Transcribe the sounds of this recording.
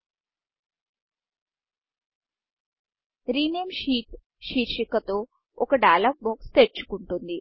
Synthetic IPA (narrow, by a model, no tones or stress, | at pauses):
ɾinemɕiːt̪ | ɕiɾɕikət̪o | okəɖalak̚mokst̪eʈ̚t͡ʃu̥kuɳʈond̪i